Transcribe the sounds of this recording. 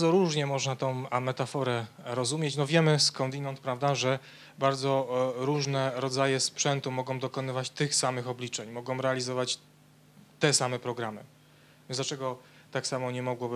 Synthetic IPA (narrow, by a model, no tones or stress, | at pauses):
baɾzɔɾuʐɲɛmɔʐnat̪ɔ̃w̃mɛt̪afɔɾɛɾɔzumʲjet͡ɕnɔvʲjɛmɘskɔ̃nd̪inɔnt̪̚pɾavd̪aʐɛ | baɾd̪zɔɾuʐnɛɾɔd̪zajɛspʂɛnt̪umɔɡɔ̃w̃d̪ɔkɔnɘvat͡ɕt̪ɘxsamɘxɔblʲit͡ʂɛɲmɔɡɔ̃w̃ɾɛalʲizɔvat͡ɕ | t̪ɛsamɛpɾɔɡɾamɘ̰ | zlat͡ʂɛɡɔ | t̪aksamɔɲɛmɔɡwɔb